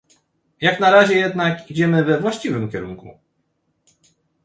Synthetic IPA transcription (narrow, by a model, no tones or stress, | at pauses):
jaknaɾaʑɛjɛd̪nakid͡ʑɛmɘvɛvwaɕt͡ɕivɘmkʲɛɾuŋkṵ